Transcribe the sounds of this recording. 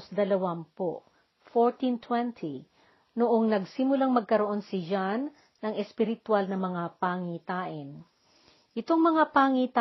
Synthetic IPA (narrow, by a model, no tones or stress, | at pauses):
sd̪ɐlɐwampo̰ | foɹt̪int̪ʰwɛnt̪ʰi | noʔoŋnɐɡsimʊlaŋmɐɡ̚kɐɾoʔo̞nsɪd͡ʒanː | ɐŋɛspɪɾɪt̪walnɐmɐŋapaŋit̪aːʔɪn | ʔɪt̪o̞ŋmɐŋapaːŋiːt̪a